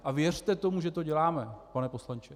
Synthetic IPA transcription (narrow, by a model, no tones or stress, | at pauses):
ʔavjɛr̝̥t̪ɛt̪o̞muʒɛt̪o̞ɟɛlaːmɛpanɛpo̞slant͡ʃɛ